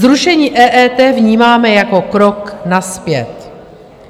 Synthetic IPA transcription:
zɾuʃɛɲiːʔɛːʔɛːt̪ɛːvɲiːmaːmɛjako̞kɾoknaspjɛt̪

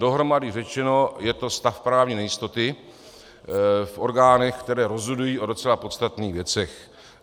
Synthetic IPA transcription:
do̞ɦɾo̞madɪrɛt͡ʃɛno̞jɛt̪o̞st̪afpɾaːvɲinɛjɪst̪o̞t̪ɪ | fʔo̞ɾɡaːnɛxkt̪ɛɾɛːɾo̞zɦodujiːʔo̞do̞t͡sɛlapo̞t̪t͡st̪at̪niːɣvjɛt͡sɛx

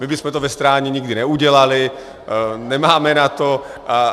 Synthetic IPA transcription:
mɪbɪsmɛt̪ovɛst̪ɾaːɲɛɲɪɡdɪnɛuɟɛlalɪ | nɛmaːmɛnat̪oʔa

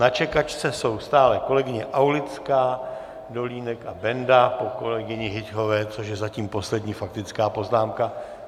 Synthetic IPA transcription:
nat͡ʃɛkat͡ʃt͡sɛso̞wst̪aːlɛko̞lɛɡɪɲɛʔawlɪt͡skaː | do̞liːnɛkabɛndapo̞ko̞lɛɡɪɲɪɦɪcɦo̞vɛːt͡soʃjɛzaciːmpo̞slɛdɲiːfak̚t̪ɪt͡skaːpo̞znaːmka

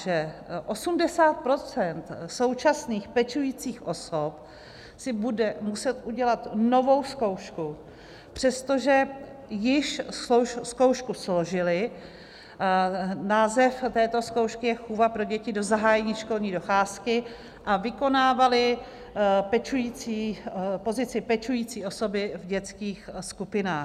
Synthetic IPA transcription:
ʒɛʔo̞sumdɛsaːt̪̚pɾo̞t͡sɛnt̪so̞wt͡ʃasniːxpɛt͡ʃujiːt͡siːxʔo̞sop | sɪbudɛmusɛt̪ʔuɟɛlat̪no̞vo̞wsko̞wʃku | pr̝̥ɛst̪o̞ʒɛ | jɪʃosko̞wʃkuslo̞ʒɪlɪ | naːzɛft̪ɛːt̪o̞sko̞wʃkɪjɛxuvapɾo̞ɟɛcɪdo̞zaɦaːjɛɲiːʃko̞lɲiːdo̞xaːskɪ | ʔavɪko̞naːvalɪ | pɛt͡ʃujiːt͡siːpo̞zɪt͡sɪpɛt͡ʃujiːt͡siːʔoso̞bɪvɟɛt͡skiːxskupɪnaːx

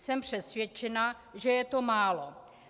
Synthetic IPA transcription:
sɛmpr̝̥ɛsvjɛt͡ʃɛna | ʒɛjɛt̪o̞maːlo

